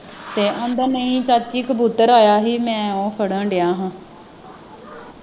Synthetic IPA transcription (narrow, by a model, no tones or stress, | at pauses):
t̪eːʔə̃ːnd̪ənəĩːt͡ʃaːt͡ʃiːkəbuːt̪əɾoːjaːɦiːmɛ̃ːõːpʰəɽə̃ːɖejãːɦãː